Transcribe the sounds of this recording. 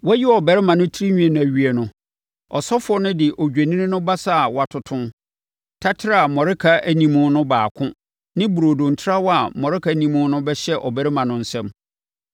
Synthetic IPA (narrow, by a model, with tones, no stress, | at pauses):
wɛ˦jɪ˦ɔ˨bɛ˨ɾɪ˦mã˨nʊ̃˦tʰi˦ɾi˦ɲᶣĩ˦ɛ˨nʊ̃˨æ˨ɥi˨ɛ˨nʊ̃˨ | ɔ˨sɔ˦fʊ˦ɔ˦nʊ̃˦dɪ˨ʔɔ˨d͡ʑᶣe˨nĩ˦nɪ̃˦nʊ̃˦ba˦sa˦˨wɔ˨a˨tʰʊ˨tʰʊ̃˦n | tʰa˦tʰɪ˦ɾa˦˨a˨mɔ̃˨ɾɪ˦kʰa˦æ˨nĩ˨mʊ̃˦nʊ̃˦baː˨kʰʊ̃˦ | nɪ̃˦bu˨ɾo˨dõ˨n̩˨tʰɪ˦ɾa˦wɔ˦a˨mɔ̃˨ɾɪ˦kʰa˨nĩ˨mʊ̃˦nʊ̃˦bɛ˦ɕɛ˦ʔɔ˨bæ˨ɾɪ˦mã˨nʊ̃˦n̩˦sɛ̃˦m